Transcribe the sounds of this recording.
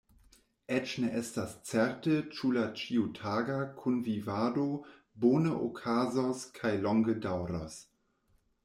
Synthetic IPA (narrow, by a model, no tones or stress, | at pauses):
ʔɛt͡ʃneʔɛstast͡sɛɾtət͡ʃulat͡ʃiutʰaːɡakʰunvivaːdo | boːnəʔo̰kʰaːzɔskʰajlɔŋɡədawɾɔs